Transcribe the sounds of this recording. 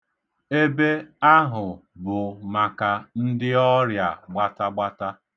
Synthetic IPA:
e˦be˦a˦ɦʊ˨bʊ˨ma˨ka˨n̩˦dɪ˦ɔ˦ɾja˨ɡ͡ba˦ta˦ɡ͡ba˦ta˦

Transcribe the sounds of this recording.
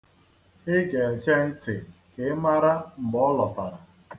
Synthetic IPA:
ɪ˦ɡe˨t͡ʃe˦n̩˦tɪ˨ | ke˨˦ma˦ɾa˦m̩˨ɡ͡bɔ˦lɔ˨ta˨ɾa˨

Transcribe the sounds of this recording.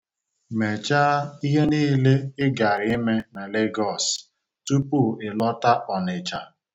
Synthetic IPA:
me˨t͡ʃa˦i˦ɦe˦niː˦le˦ɪ˦ɡa˨ɾɪ˨˦ɪ˦me˦na˨le˦ɡɔ˦˨s | tu˦pu˦˨ɪ˨lɔ˦ta˦ʔɔ˨nɪ˨t͡ʃa˨

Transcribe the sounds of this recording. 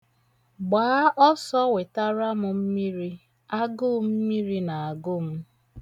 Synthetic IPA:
ɡ͡baː˨˦ʔɔ˦sɔ˦we˨ta˦ɾa˦mʊ˨m̩˦mi˦ɾi˦ | a˦ɡʊ˦˨m̩˦mi˦ɾi˦na˨a˨ɡʊ˦˨m̩˦

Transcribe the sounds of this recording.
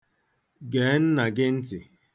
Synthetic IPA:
ɡeː˨˦n̩˦na˨ɡɪ˦n̩˦tɪ˨

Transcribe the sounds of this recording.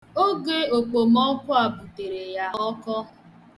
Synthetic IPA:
o˦ɡe˦o˨k͡po˨m˦ɔ˦kʷʊ˦a˨bu˨te˨ɾe˨ja˦ɔ˦kɔ˦

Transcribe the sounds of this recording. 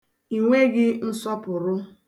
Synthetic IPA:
i˨ŋʷe˦ɡɪ˦n̩˦sɔ˦pʊ˨ɾʊ˦

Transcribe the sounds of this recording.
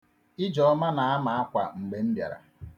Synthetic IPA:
ɪ˦d͡ʒɔ˨ɔ˦ma˦na˨a˦ma˨a˦kʷa˨ŋ͡m̩˨ɡ͡be˨n̩˦bja̰˨ɾa̰˨

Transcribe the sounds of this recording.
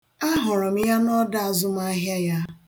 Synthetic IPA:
a˦ɦʊ˨ɾɔ˨m̩˦ja˦nɔ˦da˦a˨zʊ˦m̩˦a˦ɦja˦ja˦

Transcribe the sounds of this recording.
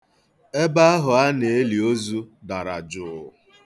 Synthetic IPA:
e˦ba˦a˦ɦʊ˨a˦ne˨e˦li˨o˦zu˦da˨ɾa̰˨d͡ʒʊ˨

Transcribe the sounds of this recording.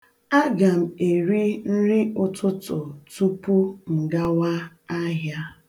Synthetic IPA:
a˦ɡa˨m̩˨e˨ɾi˦n̩˦ɾɪ˦ʊ˦tʊ˦tʊ˨tu˦pu˦m̩˨ɡa˦wa˦ | a˦ɦja˦

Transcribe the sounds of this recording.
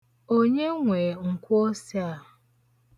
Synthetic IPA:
o˦ɲe˦ŋʷe˨ŋ̩˨kʷʊ˦o˦si˦a˨

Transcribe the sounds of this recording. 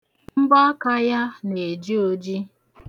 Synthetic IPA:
m̩˦bɔ˦ka˦ja˦ne˨d͡ʒi˦o˦d͡ʒi˦

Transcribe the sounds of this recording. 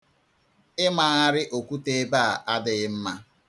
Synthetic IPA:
ɪ˦ma˨a˦ɾɪ˦ʔo˨kʷu˦te˦ba˦a˨ʔa˦dɪ˨ɪ˦m̩˦ma˦

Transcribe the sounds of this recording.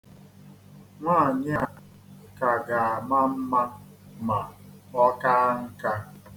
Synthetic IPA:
ŋʷa˦˨ɲ˦a˦ | ka˨ɡa˨a˨ma˦m̩˦ma˦ | ma˨ɔ˦ka˦ŋ̩˦ka˦

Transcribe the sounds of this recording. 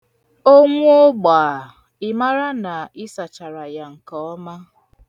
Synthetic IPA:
o˦ŋʷʊ˦o˦ɡ͡ba˨ | ɪ˦ma˦ɾa˦na˨ɪ˦sa˨t͡ʃa˨ɾa˨ja˨ŋ̩˨kɔ˨ɔ˦ma˦

